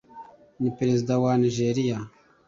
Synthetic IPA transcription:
nipɾezid̪awaniʒeːɾija

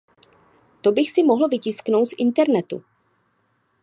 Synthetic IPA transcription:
t̪o̞bɪxsɪmoɦl̩vɪcɪsknowt̪sʔɪnt̪ɛɾnɛt̪ṵ

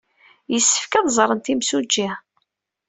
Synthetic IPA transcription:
jəsːə̥fkæðˤzˤɾˤənt̪imsud͡ʒːi

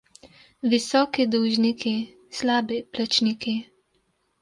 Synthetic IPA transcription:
ʋisɔːkid̪uʒnikʰi | slaːbiplat͡ʃniːki

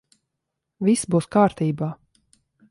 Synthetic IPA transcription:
vʲisbuːskaːɾt̪iːbaː

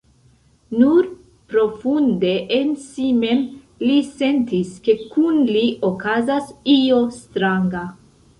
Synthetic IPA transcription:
nuɾ | pɾo̞funde̞ʔensime̞m | lise̞nt̪iske̞kunliʔokazasio̞st̪ɾaŋɡa

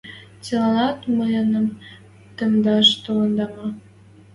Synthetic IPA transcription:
t͡selɑnɑt̪məjənəm | t̪əmd̪ɑʃt̪olənd̪ɑmɑ

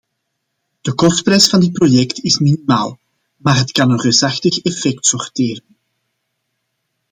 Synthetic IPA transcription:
d̥əkɔst̚prɛjsfɑndɪt̚projɛktɪsminimaːlˠ | maːrɦətkɑnənresɑxtəxɛfɛk̚tsɔrtɪːrən

